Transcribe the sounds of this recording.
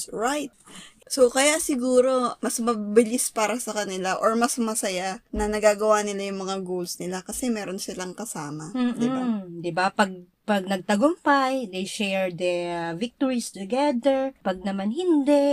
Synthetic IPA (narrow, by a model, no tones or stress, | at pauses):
ɹajt̪̚sokɐjasɪɡuːɾo̞mɐsmɐbɪlɪspaːɾɐsɐkɐnɪlaʔoɹmɐsmɐsɐjanɐnɐɡaːɡɐwanɪlajʊŋmɐŋaɡowlsnɪlakɐsɛmɛːɾo̞nsɪlaŋkɐsaːmɐm̩ːd̪ɪad̪ɪbapɐɡ̚ | pɐɡ̚nɐɡ̚t̪ɐɡʊmpajd̪ejʃɛɹd̪ɛvɪk̚t̪oɹist̪ʊɡɛd̪ɛɹpɐɡ̚nɐmanhɪnd̪ɛ